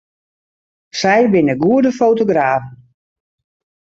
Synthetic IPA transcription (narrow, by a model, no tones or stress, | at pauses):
sɛjbɪnəɡuədəfowtoɡraːvn